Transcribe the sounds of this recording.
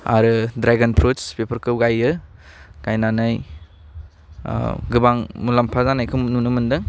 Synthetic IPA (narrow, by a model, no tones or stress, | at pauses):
a̰ɾɯdɾaɡanpʰɾospepʰɐɾkɯwɡajɯ | ɡ̥ajnanɯj | ɡɯbaŋmulampʰazanajkʰɯmnunɯmɯndɯŋ